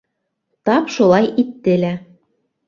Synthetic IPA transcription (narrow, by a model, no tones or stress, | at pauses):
t̪ɑpʃolˠɑjit̪ːɘ̆læ